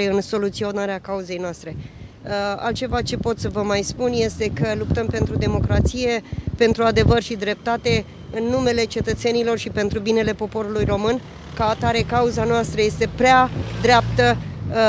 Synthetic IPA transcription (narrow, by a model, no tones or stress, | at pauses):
eɨnso̞lut̪sio̞naɾeakauze̞jnoast̪ɾe̞ | a̰lt̪t͡ʃe̞vat͡ʃe̞po̞t̪səvəmajspunje̞st̪e̞kəlup̚t̪əmpe̞nt̪ɾud̪e̞mo̞kɾat̪sije̞pe̞nt̪ɾuad̪e̞vərʃid̪ɾe̞p̚t̪at̪e̞ | ɨnːume̞le̞t͡ʃe̞t̪ət̪se̞nilo̞rʃipe̞nt̪ɾubine̞le̞po̞po̞ɾulujro̞mɨn | kaːt̪aɾe̞kauzanoast̪ɾəje̞st̪e̞pɾead̪ɾeap̚t̪ə